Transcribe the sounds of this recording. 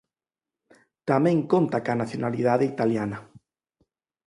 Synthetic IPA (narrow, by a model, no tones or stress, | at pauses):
t̪amẽŋkont̪akanaθjonalið̞aðeit̪aljana